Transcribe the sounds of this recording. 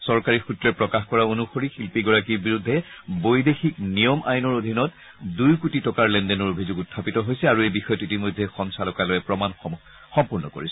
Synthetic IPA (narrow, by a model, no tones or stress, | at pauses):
sɔɹkaɹixutlɛpɹɔkaxkɔɹaonuxoɹixilpiɡɔɹakiɹbiɹudʱːɛbojdexiknijɔmʔa̰jnɔɹod̪ʱinɔt | dujkutitɔkaɹlɛndɛnɔɹobʱizuɡutʰːapitɔɦojsɛaɹuejbixɔjɔtitimojdʱːɛxɔnsalɔkalojɛpɹɔman | xɔmpuɹnɔ̰ko̰ɹisɛ